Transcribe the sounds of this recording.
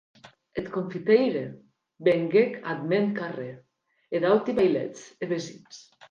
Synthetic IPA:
et̪koɱfit̪ejɾe | beŋɡekad̪menkare | ed̪awt̪iβajlɛ̰t͡seβezins

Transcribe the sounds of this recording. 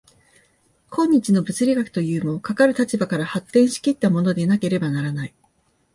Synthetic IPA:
kʰõ̞ɲ̟ːit͡ɕino̞bɯ̟t͡sɨɾʲiɡakɯ̥t̪o̞jɯ̟ːmo̞kakaɾɯ̟t̪at͡ɕibakaɾahat̪ːẽ̞ɰ̃ɕi̥kʲit̪ːamo̞no̞d̪enake̞ɾe̞banaɾanai

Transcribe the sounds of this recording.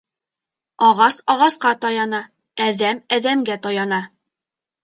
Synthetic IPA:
ɒʁɑsɒʁɑsqɑt̪ɑjɑnɑ | æðæmæðæmɡæt̪ɒjɑnɑ

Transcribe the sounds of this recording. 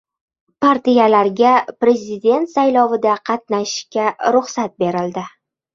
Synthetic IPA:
paɾt̪ijalaɾɡʲapɾe̞zʲɪd̪ʲe̞nt̪sajlɒvɪd̪aqʰɑt̪̚naʃkʲaɾʊχsat̪̚be̞ɾɪld̪ɪ

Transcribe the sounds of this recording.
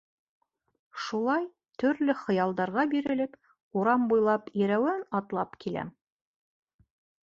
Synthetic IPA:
ʃulˠɑj | t̪ɵ̆ɾlɘχɤ̆jɑlˠd̪ɑɾʁɑbiɾɘ̆lɘp | uɾɑmbujlˠɑpiɾæwɘnɑt̪lˠɑpkilæ̰m

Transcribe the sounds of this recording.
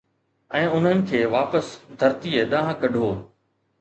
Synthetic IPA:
ɛ̃ːʊn̤ənɪ̆kʰeːʋaːpəsd̪ʱɐɾt̪ieɗ̪ãːɦãkɐɖʱoː

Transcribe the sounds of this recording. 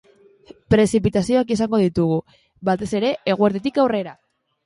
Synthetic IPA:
pɾe̞sip̬it̪asio̞akisaŋɡo̞ðit̪uɣ̞u | βat̪e̞se̞ɾe̞eɣ̞ueɾt̪et̪ikawre̞ɾa

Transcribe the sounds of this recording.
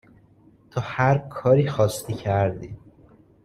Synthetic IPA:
t̪ʰɒːhæɾkʰɒːɾiːxɒːst̪ʰiːcʰæɾd̪iː

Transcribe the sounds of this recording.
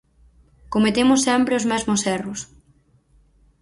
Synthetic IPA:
komet̪emʊsːɛmpɾeozmɛzmʊsɛrʊs

